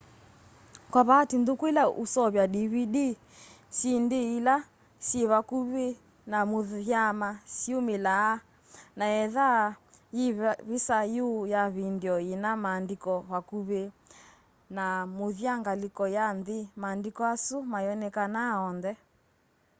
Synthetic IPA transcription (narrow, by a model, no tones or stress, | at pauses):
kwaβatindukuilausɔβjaɗiβiɗi | sindeila | siβakuβe | namoðjamasiumelaː | naɛða | jiββisajujaβindiɔinamaːndikɔβakuβe | namoðjaŋɡalikɔjanðimaːndikɔasumajɔnɛkanaɔnðɛ